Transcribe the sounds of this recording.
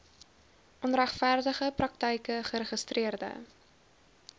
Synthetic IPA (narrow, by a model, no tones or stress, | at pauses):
ʔɔnræχfærdəχəprɐk̚təjkəχəɾəχəstriərdə̰